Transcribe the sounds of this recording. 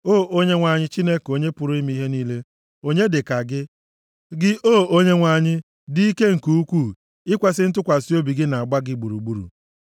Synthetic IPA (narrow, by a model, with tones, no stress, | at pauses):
oː˦˨ʔo˦ɲe˦ŋʷa˨ɲɪ˦t͡ʃi˦ne˦ko˨ɲe˦pʊ˨ɾʊ˦i˦mi˦ɦe˦niː˦le˦ | o˦ɲe˦dɪ˨ka˨ɡɪ˦ | ɡɪ˦ʔoː˦˨o˦ɲe˦ŋʷa˨ɲɪ˦ | di˦i˦ke˦ŋ̩˨ku˦u˦kʷu˦˨ | ɪ˦kʷa˨s̬ɪ˦n̩˦tʊ˦kʷa˨si˦o˦bi˨ɡɪ˦na˨a˨ɡ͡ba˦ɡɪ˦ɡ͡bu˨ɾu˨ɡ͡bu˦ɾṵ˨